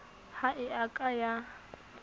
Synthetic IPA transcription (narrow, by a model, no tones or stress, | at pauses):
haʔɪakʼaja